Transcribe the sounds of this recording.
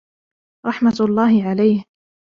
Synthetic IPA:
ɾˤɑħmat̪lˤːɑːɦɪʕalajh

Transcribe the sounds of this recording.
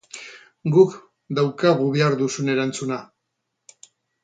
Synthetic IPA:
ɡuk | d̪awkaɣ̞uβeaɾðusune̞ɾant͡suna

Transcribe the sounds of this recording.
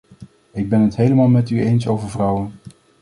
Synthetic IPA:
ɪɡ̚bɛnɦətɦejləmaːlˠmɛtyejnsowvəɹvrʌwən

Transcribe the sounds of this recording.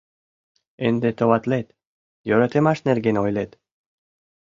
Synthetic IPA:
end̪et̪oβɑt̪let̪ | jøɾət̪emɑʃnerɡenojlet̪

